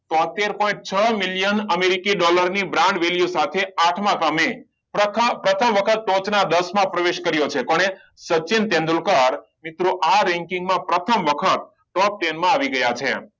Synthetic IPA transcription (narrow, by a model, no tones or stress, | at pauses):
t̪ɔ̃t̪eɾpɔ̃ĩɳʈ̚t͡ʃʰəmiljənəmeɾikiɖɔləɾnibɾãɳɖʋeljusat̪ʰeaʈʰmãt̪ame | pəpɾət̪ʰəmʋəkʰət̪̚ʈot͡ʃnad̪əsmãpɾəʋeʃkəɾjot͡ʃʰekɔɳe | sət͡ʃint̪ẽnd̪ulkaɾ | mɪt̪ɾuʔaɾɛ̃ŋkĩŋɡmãpɾət̪ʰəmʋəkʰət̪̚ | ʈɔp̚ʈenmãaʋiɡəjat͡ʃʰḛ